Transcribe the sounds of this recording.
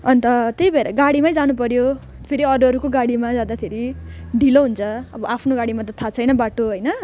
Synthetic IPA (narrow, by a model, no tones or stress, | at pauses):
ʌnt̪ʌt̪ejbʌeɾa̰ɡaɽimajd͡zanup̬ʌɾjo | pʰeɾiʌɾuʌɾukoɡaɽimad͡zãd̪at̪ʰeɾiɖʱiloɦunt͡sʰʌʌbʌʔapʰnoɡaɽimat̪ʌt̪ʰat͡sʰʌjnʌbaʈoɦʌjnʌ